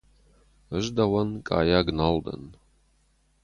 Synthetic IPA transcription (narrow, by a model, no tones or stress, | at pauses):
əʒdɐwɐnkʼa̰ːjaːɡnald̪ɐ̰n